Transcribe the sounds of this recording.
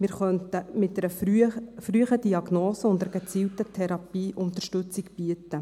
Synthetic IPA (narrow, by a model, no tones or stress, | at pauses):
mɪːɾχœntəmɪt̚ɛɾəfryəχəd̥iɑɡnoːsəʊndəɾəɡət͡siːltətʰɛɾɑpiːʔʊnt̪əʃtʉt͡sikb̥iətːə